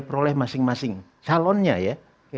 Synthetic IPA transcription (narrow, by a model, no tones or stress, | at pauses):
pəɾolɛhmasɪŋmasɪŋ | salɔnɲaja